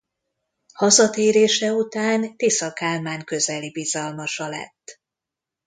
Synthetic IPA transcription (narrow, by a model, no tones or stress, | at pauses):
hɒzɒt̪eːɾeːʃɛut̪aːnt̪isɒkaːlmaːŋkø̞zɛlibizɒlmɒʃɒlɛ̰t̪ː